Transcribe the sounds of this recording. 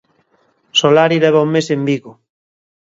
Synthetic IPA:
solaɾilɛβaumesembiɣʊ

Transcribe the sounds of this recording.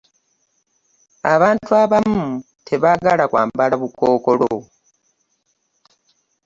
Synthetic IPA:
a̰βaːntʰuaβamu | tʰe̞βaɡalakwa̰ːmbalaβukoːkolo̰

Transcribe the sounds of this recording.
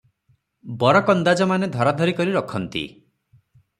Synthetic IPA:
bɔɾɔkɔnd̪ad͡ʒɔmaned̪ʱɔɾɔd̪ʱɔɾikɔɾiɾɔkʰɔnt̪ḭ

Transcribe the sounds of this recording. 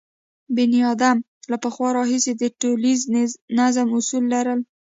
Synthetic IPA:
bɪniɑd̪am | lapəxwɑɾɑɦised̪əʈoliznazəmʊsulːaɾəl

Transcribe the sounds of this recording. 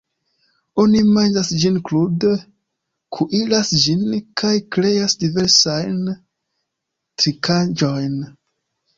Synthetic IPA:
onimand͡ʒasd͡ʒinklud | kʰuʔilasd͡ʒinkʰajkɾe̞jasdive̞ɾsajn | tɾikad͡ʒo̞jn

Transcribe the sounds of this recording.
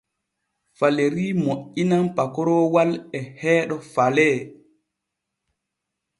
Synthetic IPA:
faleɾiːmoʔːinampakɔɾɔwalɛhɛːɗɔfalɛː

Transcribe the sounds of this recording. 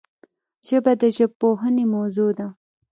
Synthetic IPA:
ʒəbad̪əʒəb̚poɦənemozud̪a

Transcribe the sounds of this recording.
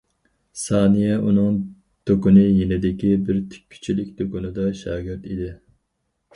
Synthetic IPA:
sɑːnijɛunɨŋ | d̪̥okʊnɨjenɪd̪ɪkʲibɪɾt̪ʰi̥y̥t͡ʃʰilɪkʲd̪okʊnɨd̪ɑʃɑːɡʲɪɾt̪id̪ɪ

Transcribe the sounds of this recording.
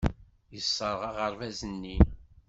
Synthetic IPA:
jəsˤːəɾˤʁɑʁəɾˤvæzənːi

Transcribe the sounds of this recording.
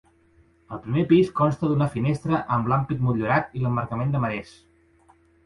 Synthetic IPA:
əlˠpɾimepiskɔnst̪əðunəfinest̪ɾəʔəmblampit̪̚muʎuɾat̪iləmːəɾkəmend̪əməɾes

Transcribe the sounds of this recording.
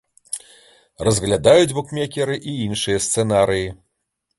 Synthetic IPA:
rɐzɣlʲad̪ajud͡zʲbukmʲɛkʲɛɾɨʔiinʂɨjɐst̪sɛnaɾɨji

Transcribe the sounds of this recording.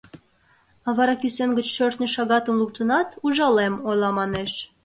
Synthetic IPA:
ɑβɑɾɑkysenɡət͡ɕʃørt̪nʲeʃɑɣɑt̪əmluk̚t̪ənɑt̪uʒɑlemojlɑmɑneʃ

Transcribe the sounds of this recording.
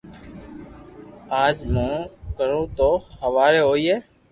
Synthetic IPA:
aːd͡ʒmãːkəɾõːt̪oːhəʋaːɾeːɦoːiːɦeː

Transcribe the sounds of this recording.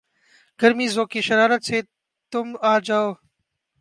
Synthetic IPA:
ɡəɾmiːzoːkiːʃəɾaːɾət̪seː | t̪ʊmaːd͡ʒaːoː

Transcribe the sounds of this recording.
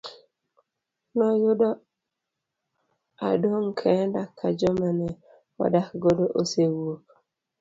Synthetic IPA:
nɔjʊdɔ | a̰doŋkʰɛndakʰːad͡ʒɔmanɛ | ɔ̰dakɡɔdoʔosewok

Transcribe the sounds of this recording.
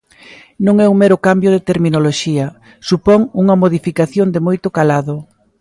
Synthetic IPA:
nõŋɛuŋmeɾʊkambjʊðɪt̪eɾminoloʃiɐ | supɔŋuŋɐmoðifikaθjond̪ɪmojt̪ʊkalaðʊ

